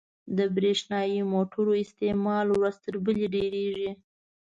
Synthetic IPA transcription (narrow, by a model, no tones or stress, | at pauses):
d̪əbɾeʃnɑjimoʈʊɾoɪst̪emɑlwɾast̪əɾbəleɖeɾeʒi